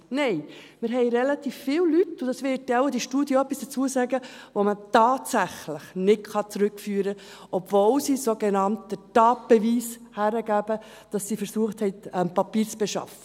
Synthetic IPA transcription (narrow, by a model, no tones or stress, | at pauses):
nɛɪmɪɾɦɛɪɾɛlɑt̪iːffɪːwlytːʊd̥ɑsʋɪːtːɛwəd̥iʃtuːdiəœpːisd̥ət͡suəsæːɡəʋomətɑːtsæχləχnɪtkɑt͡sɾɵkfyːɾə | ʔɔbvolsisoɡenɑntd̥ətɑːt̚b̥ɛviːshæɾəɡæb̥ə | d̥ɑsːifəɾsuəχthɛɪtɛmpɑpiːɾt͡sb̥ɛʃɑ̰fə